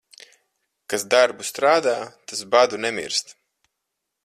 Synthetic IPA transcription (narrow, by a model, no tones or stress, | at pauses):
kasd̪aɾbust̪ɾaːd̪aːt̪asbad̪unɛmḭɾst̪